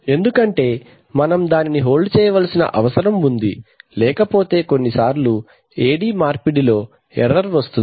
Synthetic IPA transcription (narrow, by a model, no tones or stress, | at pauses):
e̞nd̪ukɐɳʈe̞ː | mɐnɐmd̪aːniniɦo̞ːlt͡ʃɛːjɐʋɐlɐsinɐ̰ʔɐʋɐsɐɾɐmund̪ilɛːkɐpo̞ːt̪e̞ːko̞nːisaːɾlu | eːɖiːmaːɾpiɽilo̞ː | ɛ̰ɾːɐɾʋɐst̪uni